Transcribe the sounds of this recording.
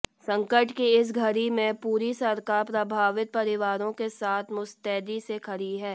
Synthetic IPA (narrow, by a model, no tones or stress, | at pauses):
sɐ̃ŋkəʈkiɪs̬ɡʱɐɾimẽpuːɾisɐɾkaːɾpɾɐbʱaːʋɪt̪̚pɐɾɪʋaːɾõkesaːt̪ʰmʊst̪ɛːd̪isekʰɐɾiɦɛː